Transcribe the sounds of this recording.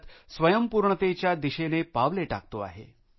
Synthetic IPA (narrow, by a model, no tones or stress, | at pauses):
t̪sʋəjəmpuɾɳət̪et͡ɕjad̪iɕenepaʋleʈa̰k̚t̪oa̰ɦḛ